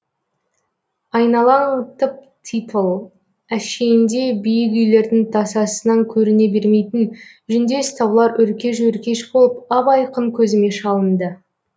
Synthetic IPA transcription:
ɑjnɑlˠɑŋt̪ʰəp̚ | t̪ʰit̪ʰəlˠ | æʃe̞jɪnd̪e̞bijɪk̬ʏjle̞ɾd̪ɪŋt̪ʰɑsɑsənɑŋkʲʰɵɾɪne̞be̞ɾme̞jt̪ɪn | ʒʏnd̪e̞st̪ɑwlˠɑɾʔʏɾkʲe̞ʃ̬ɵɾkʲe̞ʃbo̞lˠəpɑbɑjqəɴkʲʰɵzɪme̞ʃɑlˠənd̪ə

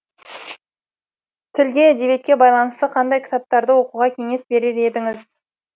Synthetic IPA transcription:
t̪ʰɪlɡʲe̞ad̪e̞ve̞t̪̚kʲe̞bɑjlˠɑnəst̪əqʰɑnd̪ɑjkʲʰɪ̥t̪ɑp̚t̪ɑɾd̪əwo̞quʁɑkʲʰe̞ŋe̞sbe̞ɾeɾe̞d̪ɪŋɪz

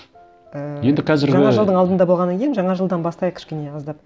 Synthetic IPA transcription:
əje̞nd̪ɪqʰɑzɪɾɡʒɑɪɑʒəlˠd̪əɴɑlˠd̪ənd̪ɑbo̞lˠʁɑnːɑŋkʲʰejɪnʒɑɴɑʒəlˠd̪ɑnbɑst̪ɑjəq̚kʲʰɪʃkʲene̞ɑzd̪ɑp̚

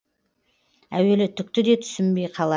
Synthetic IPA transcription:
æwe̞lɪt̪ʰʏk̚t̪ɪd̪e̞t̪ʰʏ̥sɪmbe̞jqʰɑlˠɑ

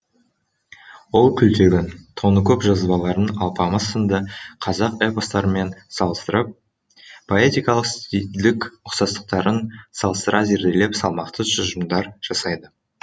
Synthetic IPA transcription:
wo̞lˠkʲʰʏlt̪e̞ɡʲɪnt̪ʰo̞nəkʲʰɵpʒɑzbɑlˠɑɾənɑlˠpɑməzənd̪əqʰɑzɑqepost̪ɑɾəme̞nsɑlˠəst̪əɾəp̚ | pːʰoet̪ijkɑlˠəqst̪it̪lɪkʲʊqsɑst̪ə̥q̚t̪ɑɾənsɑlˠəst̪əɾɑze̞ɾd̪e̞le̞psɑlˠmɑqt̪əʒʊʒəmd̪ɑɾʒ̥ɑsɑjd̪ə

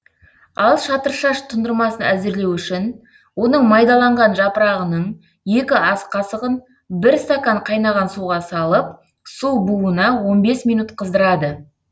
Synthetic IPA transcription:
ɑlˠʃɑt̪əɾʃɑʃt̪ʰʊnd̪əɾmɑsənæzɪɾle̞wʏʃɪn | wo̞nəɴmɑjd̪ɑlˠɑɴʁɑnʒɑpəɾɑʁənəɴ | je̞kʲɪɑsqʰɑsəʁən | bɪɾst̪akaɴqʰɑjnɑʁɑnsuʁɑsɑlˠəp̚ | suwbuənɑwo̞nbe̞smijnut̪qʰəzd̪əɾɑd̪ə

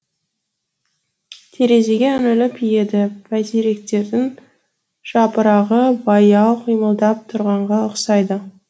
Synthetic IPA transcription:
t̪ʰe̞ɾe̞ze̞ɡʲenɪlɪpʰije̞d̪ɪpʰæjt̪eɾe̞k̚t̪e̞ɾd̪ɪn | ʒ̥ɑpəɾɑʁəbɑjɑw̪ˠqʰijməlˠd̪ɑp̚t̪ʰʊɾʁɑɴʁɑəqsɑjd̪ə

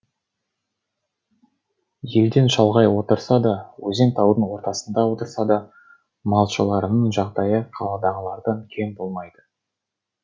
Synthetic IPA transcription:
je̞ld̪e̞nʃɑlˠʁɑjwo̞t̪əɾsɑd̪ɑwɵze̞ŋt̪ʰɑwd̪ənwo̞ɾt̪ɑsənd̪ɑwo̞t̪əɾsɑd̪ɑ | mɑlˠʃəlˠɑɾənəɴʒɑqd̪ɑjəqʰɑlˠɑd̪ɑʁəlˠɑɾd̪ɑnkʲʰe̞nbo̞lˠmɑjd̪̥ə

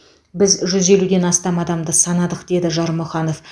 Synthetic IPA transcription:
bɪzʒʏze̞lud̪e̞nɑst̪ɑmɑd̪ɑmd̪əsɑnɑd̪əqd̪̥e̞d̪ɪʒɑɾmʊχɑno̞f

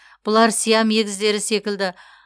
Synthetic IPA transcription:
b̥ʊlˠɑɾsijɑmeɡʲɪzd̪e̞ɾɪse̞kʲɪld̪ɪ

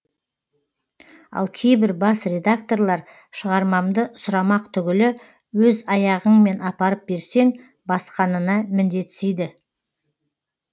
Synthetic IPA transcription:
ɑ̰lˠkʲʰe̞jbɪɾbɑsɾʲe̞d̪ak̚t̪o̞ɾlˠɑɾ | ʃəʁɑɾmɑmd̪əsʊɾɑmɑqt̪ʰʏɡʲɪlɪ | wɵzɑjɑʁəɴme̞nɑpɑɾəp̚be̞ɾse̞ŋ | bɑsqɑnənɑmɪnd̪e̞t̪sejd̪ɪ

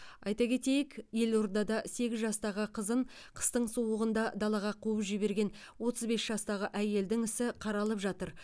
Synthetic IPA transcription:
ɑjt̪ɑkʲʰe̞t̪e̞jɪkje̞lo̞ɾd̪ɑd̪ɑse̞ɡʲɪzʒɑst̪ɑʁəqʰəzəɴqʰə̥st̪əɴsuwəʁənd̪ɑd̪ɑlˠɑʁɑqʰuəpʒɪbe̞ɾɡʲe̞n | wo̞t̪əzbe̞sʒ̥ɑst̪ɑʁəʔæje̞ld̪ɪŋɪsɪqʰɑɾɑlˠəpʒɑt̪əɾ

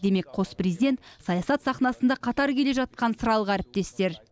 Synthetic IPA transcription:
d̪e̞me̞kqʰo̞sprezid̪e̞nt̪sɑjɑsɑt̪sɑχnɑsənd̪ɑqʰɑt̪ɑɾkʲʰe̞le̞ʒɑt̪̚qɑnsəɾɑlˠʁəæɾɪp̚t̪e̞st̪e̞ɾ

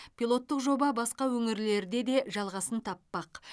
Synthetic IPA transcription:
pʲilˠo̞t̪ːəqʒo̞bɑbɑsqɑwɵŋɪɾle̞ɾd̪e̞d̪e̞ʒɑlˠʁɑsənt̪ʰɑpːɑq

